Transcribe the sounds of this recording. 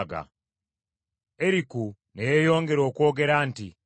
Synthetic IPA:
ɡa̰ | eɾiku | nejejo̞ːŋɡe̞ɾo̞ːko̞ːɡe̞ɾaːnti

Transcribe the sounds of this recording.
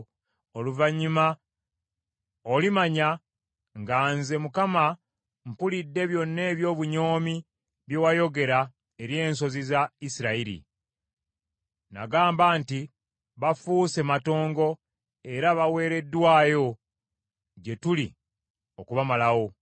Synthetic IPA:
oluvaɲːima | olimaɲa | ŋɡaːnze̞mukama | mpulidːe̞βjo̞nːe̞ːβjo̞ːβuɲo̞ːmi | βjewajo̞ɡe̞ɾa | e̞ɾje̞ːnso̞zizaisiɾaiɾḭ | na̰ɡaːmbaːnti | βafuːse̞mato̞ːŋɡo̞ | e̞ɾaβawe̞ːɾe̞dːwaːjo̞ | ɟe̞tuli | o̞kuβamalawo̞

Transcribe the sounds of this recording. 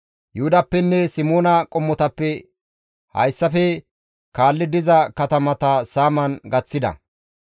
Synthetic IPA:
jʊhʊd̪ɐpːɛnːɛsɪmoːnɐkʼɔmːɔt̪ɐpːɛ | hɐ̰jsːɐfɛ | kaːlːɪd̪ɪzɐkɐt̪ɐmɐt̪ɐsaːmɐnɡɐt͡sːɪd̪ɐ̰

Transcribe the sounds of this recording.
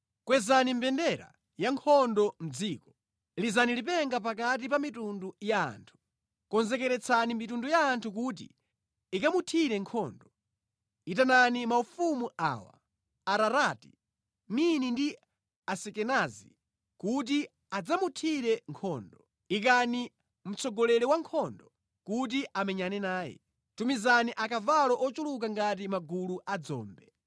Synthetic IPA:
kwɛzanim̩bɛndɛɾa̰ | jaŋkʰɔndɔm̩d͡ziːkɔ̥ | lizanilipɛŋɡap̬akat̬ipamitunduja̰ːntʰu̥ | kɔnzɛkɛɾɛt͡sʰanimitundujaːntʰuk̬ut̬ḭ | ikamutʰiɾɛŋkʰɔ̰ːndɔ | it̬ananimaufumuʔa̰ːwa̰ | aɾaɾaːti | minindi | asɛkɛnazi | kut̬i | ad͡zamutʰiɾɛŋkʰɔːndɔ | ikani | m̩t͡sʰɔɡɔlɛlɛwaŋkʰɔndɔ | kut̬iʔamɛɲanɛnaːjɛ̰ | tumizaniʔakavalɔʔɔt͡ʃuluk̬aŋɡat̬imaɡuluʔad͡zɔ̰ːmbɛ

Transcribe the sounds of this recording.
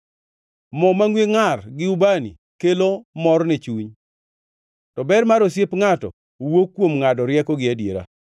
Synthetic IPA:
mɔmaŋweŋarɡɪubanḭ | kelomɔɾnɛt͡ʃuɲ | tɔbɛɾmaɾosjepŋatɔ̰ | wokːwomŋadɔɾjɛkɔɡɪadjeɾa̰

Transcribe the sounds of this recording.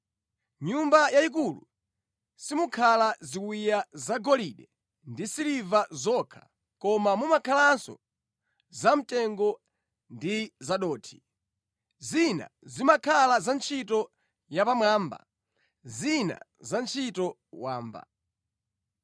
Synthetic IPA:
ɲumbajaik̬ulṵ | simukʰalaziwijazaɡɔliɗɛ | ndisilivazɔkʰḁ | kɔmamumakʰalansɔ̰ | zam̩tɛŋɡɔ | ndizaɗɔːtʰi̥ | zina̰zimakʰalazant͡ʃʰit̬ɔ | japamwaːmba̰ | zina̰zant͡ʃʰitɔ | waːmba̰

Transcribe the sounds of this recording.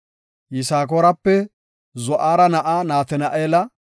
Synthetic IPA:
jɪsaːk̬oːɾɐpːɛ | zɔʔaːɾɐnɐʔaːnaːt̪ɛnɐʔeːlɐ

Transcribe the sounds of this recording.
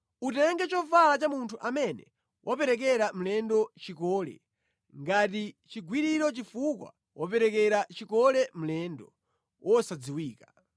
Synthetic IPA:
utɛŋɡɛt͡ʃɔfalat͡ʃamuntʰuʔamɛnɛ̰ | wʔɔpɛɾɛk̬ɛɾam̩lɛndɔt͡ʃikɔːlɛ̰ | ŋɡatit͡ʃiɡwiɾiɾɔt͡ʃifukwa̰ | wʔɔpɛɾɛkɛɾat͡ʃikɔlɛm̩lɛndɔ | wɔsad͡ziwiːka

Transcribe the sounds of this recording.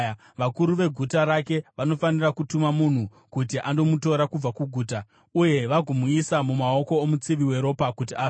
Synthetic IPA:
ʋakuɾuʋe̞ɡʱutaɾake̞ʋanofanirakutumamun̤u | kutiʔando̞muto̞ɾakub͡vakuɡʱuːta | uje̞ʋaɡʱumuisamumao̞ko̞ːmut͡siʋiwe̞ɾo̞pakut̬iaː

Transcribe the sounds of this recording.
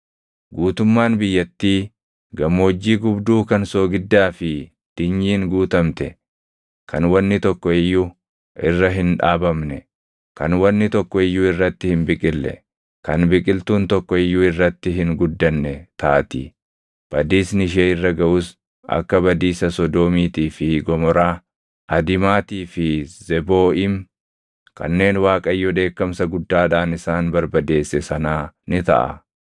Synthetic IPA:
ɡuːt̪ʊmːaːnbɪjːɐt̪ːiː | ɡɐmːoːd͡ʒːiːɡʊbd̪uːkɐnsoːɡɪd̪ːaːfɪ | d̪̥ɪɲːiːŋɡuːt̪ɐmt̪ɛ | kʰɐnwɐnːɪt̪ɔkːɔɪjːu | ɪrːɐɦɪnᶑa̰ːbɐmnɛ | kɐnwɐnːɪt̪ɔkːɔɪjːuːɪrːɐt̪ːɪhɪnbɪkʼɪlːɛ̰ | kɐnbɪkʼɪlt̪uːnt̪ɔkːɔɪjːuːɪrːɐt̪ːɪɦɪŋɡʊd̪ːɐnːɛt̪aːt̪ɪ̰ | b̥ɐd̪iːsnɪʃ̬eːɪrːɐɡɐʔuːs | ʔɐ̰kːɐbɐd̪iːsɐsɔd̪oːmiːt̪iːfɪɡɔmɔɾaː | ʔɐd̪ɪmaːt̪iːfɪz̥ɛbo̞ːɪm | kɐ̰nːe̞ːnwaːkʼɐjːɔd̪e̞ːkːɐmsɐɡʊd̪ːaːᶑaːnɪsaːnbɐɾbɐd̪e̞ːsːɛsɐnaːnɪt̪ɐ̰ʔɐ̰

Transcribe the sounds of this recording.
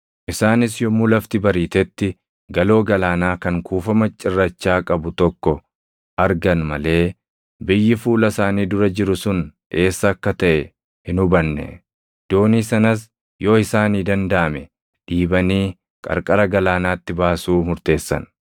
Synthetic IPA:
ʔɪsaːnɪsjɔmulɐft̪ɪbɐɾiːt̪ɛt̪ːɪ | ɡɐlo̞ːɡɐlaːnaːkɐŋkuːfɐmɐt͡ʃʼːɪrːɐt͡ʃːaːkʼɐbʊt̪ɔkːɔ | ʔɐɾɡɐnmɐle̞ː | bɪjːɪfuːlɐsaːniːd̪ʊɾɐd͡ʒɪɾʊsʊn | e̞ːsːɐːkːɐt̪ɐʔɛ | hɪnʊbɐnːɛ̰ | d̪̥o̞ːniːsɐnɐs̬ | joːɪsaːniːd̪ɐnd̪ɐʔɐmɛ | ᶑiːbɐniː | kʼɐ̰ɾkʼɐɾɐɡɐlaːnaːt̪ːɪbaːsuːmʊɾt̪e̞ːsːɐ̰n

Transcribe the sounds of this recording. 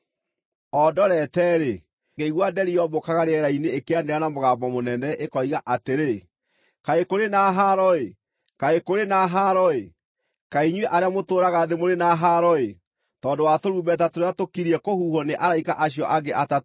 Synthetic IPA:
ɔdɔɾɛtɛɾe | ɡeiɣwadɛɾiɔbokaɣaɾeɛɾaineːkeandeɾanamoɣaːmbɔmonɛnɛʔekɔiɣaʔateɾe | kaekoɾenaɦaɾɔe | kaekoɾenaɦaɾɔe | kaiɲwɛʔaɾeamotoːɾaɣaðemoɾenaɦaɾɔe | tɔːndowatoɾuːbɛt̬atoɾeatokiɾiɛkohuːhɔneʔaɾaikaʔaɕiɔʔaɡeʔata

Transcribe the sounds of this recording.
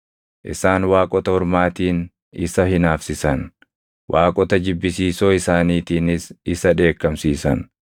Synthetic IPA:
ʔɪ̰saːnwaːkʼɔt̪ɐhɔɾmaːt̪iːn | ɪsɐhɪnaːfsɪsɐn | wʔaːkʼɔt̪ɐd͡ʒɪbːɪsiːso̞ːɪsaːniːt̪iːnɪsɪsɐᶑe̞ːkːɐmsiːsɐ̰n

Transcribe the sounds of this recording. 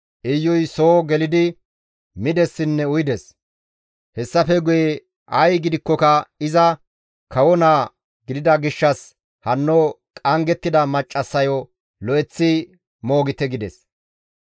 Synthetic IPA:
ʔɪjːɔjsoːɡɛlɪd̪ɪ | mɪd̪ɛsːɪnːɛʊjd̪ɛs | hɛsːɐfɛɡʊje | ʔɐjɡɪd̪ɪkːɔkɐɪzɐ | kɐwɔnaː | ɡɪd̪ɪd̪ɐɡɪʃːɐs | hɐnːoː | kʼɐŋɡɛt̪ːɪd̪ɐmɐt͡ʃʼːɐsːɐjɔ | lɔʔɛt͡sːɪ | mo̞ːɡɪt̪ɛɡɪd̪ɛs

